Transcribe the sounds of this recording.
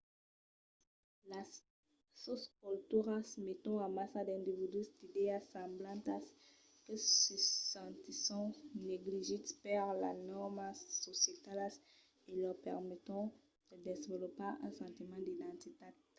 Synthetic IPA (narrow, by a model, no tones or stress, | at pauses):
la | soskult̪yʁasəmet̪ɔ̃amasad̪ɛ̃nd̪ivid̪ysd̪̥id̪easɑ̃blɑ̃nt̪as | kəsəsɑ̃t̪isɔ̃neɡliʒit̪paʁla̰nɔʁmasːɔsjet̪alas | elœʁpɛʁmet̪ɔ̃ | d̪̥əd̪ezvəlopaɛ̃sɑ̃t̪imɑ̃d̪id̪ɑ̃t̪it̪a